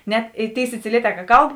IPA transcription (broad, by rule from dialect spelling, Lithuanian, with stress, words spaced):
ˈnʲɛt ɪ ˈtʲeːɪ sʲɪt͡sʲɪˈlʲiɛˌtʲɛː kɐ ˈkɐlˠp